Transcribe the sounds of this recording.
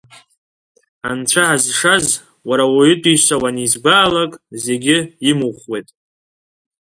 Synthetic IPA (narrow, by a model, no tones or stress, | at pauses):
ant͡ʃʷʰaʕazʂaz | waɾawaɪtʼisawanizɡʷaːlakʼze̞ɡʲɪimuχwe̞jtʼ